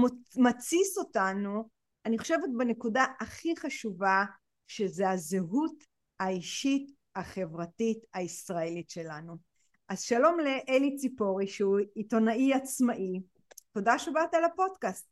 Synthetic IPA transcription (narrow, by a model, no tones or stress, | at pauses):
mat͡siso̞tanu | aniχo̞ʃe̞vet̚bene̞kudaaχiχaʃuva | ʃe̞zeazeɦut | aiʃit | aχe̞vʁatitaisʁae̞litʃe̞lanu | ʔazʃalo̞mle̞ʔelit͡sipo̞ʁiʃuito̞naʔiat͡smaʔi | to̞daʃebatalapo̞dkast̚